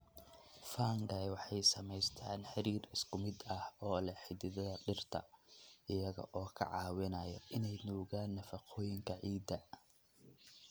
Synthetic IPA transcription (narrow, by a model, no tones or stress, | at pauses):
faːŋɡɐjwɑħɑjsɐmɛjst̪ʰaːnħɑɾiːrɪskʰʊmɪd̪ɐhɔːlɐħɪd̪ɪðɔɖɪrt̪ʰɐ̰ɪjɐɣɐ̰ʔɔːkʰɐ̰ʕɑːwɪnɐjɐ̰ʔɪnɛjnuːɣaːnːɐfɐqʰɔːjɪŋkʰɐʕiːd̪ɐ